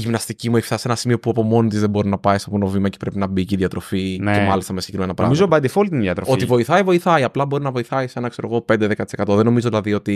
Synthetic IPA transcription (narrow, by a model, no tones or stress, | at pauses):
ʝimnɐst̪icimueçiftɐse̞nɐsimio̞puɐpo̞mo̞nit̪izðebo̞ɾinɐpɐist̪oponovimɐce̥pɾe̞pinɐbiciðjɐt̪ɾo̞finemɐlist̪ɐmesiɟ̥ekɾimenɐpɾɐmizobɐd̪efolit̪inðjɐt̪ɾooivo̞iθɐivo̞iθɐiɐplɐbo̞ɾinɐvo̞iθɐise̞nɐkse̞ɾo̞ɣo̞pe̞nd̪eðe̞kɐt̪ise̞kɐt̪o̞ðeno̞mizoðilɐðio̞t̪i